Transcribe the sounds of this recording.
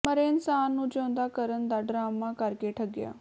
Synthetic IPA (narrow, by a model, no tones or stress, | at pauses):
məɾeɪnsaːnːũːd͡ʒõːnd̪aːkəɾənd̪aːɖɾaːmaːkəɾkeːʈʰəɡɪja̰ː